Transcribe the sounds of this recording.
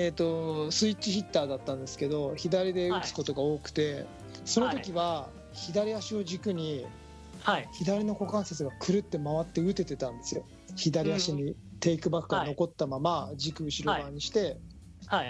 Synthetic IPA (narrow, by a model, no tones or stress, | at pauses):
et̪o̞sɨit͡ɕːɕiçʲit̪ːaːd̪at̪ːãnd̪e̞sɨ̥ke̞d̪o̞çid̪aɾʲid̪e̞ɯt͡sɨ̥ko̞t̪o̞ɡao̞ːkɯ̟̥t̪e̞ | so̞no̞okʲiβa | çid̪aɾʲiaɕio̞d͡ʑikɯ̟ɲ̟i | çid̪aɾʲino̞ko̞kãɰ̃set͡sɨɡakʰɯ̟ɾɯ̟t̪ːe̞maβat̪ːe̞ɯ̟t̪e̞t̪e̞t̪ãnd̪e̞sɨjo̞ | çid̪aɾʲiaɕiɲ̟it̪e̞ikɯ̟bakːɯɡano̞ko̞t̪ːamamad͡ʑikɯ̟ɯ̟ɕiɾo̞baːɲ̟iɕi̥t̪e̞